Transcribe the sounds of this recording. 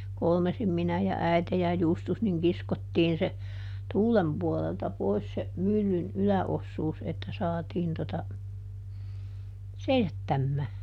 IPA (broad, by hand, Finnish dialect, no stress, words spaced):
kolmesim minæ jɑ æite jɑ justus niŋ kiskotːiːn se tuːlem puɔleltɑ pois se mylːyn ylæosːuːs etːæ sɑːtiːn totɑ seisætːæmːæː